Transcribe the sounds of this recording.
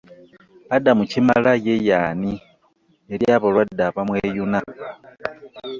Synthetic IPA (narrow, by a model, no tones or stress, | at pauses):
adamucima̰lajejaːni | eljaβalwadːaβamweːjuna